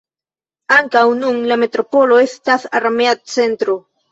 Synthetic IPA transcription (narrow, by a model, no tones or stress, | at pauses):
aŋkawnuŋlamet̪ɾopoloest̪aθarameat̪̚t͡sent̪ɾo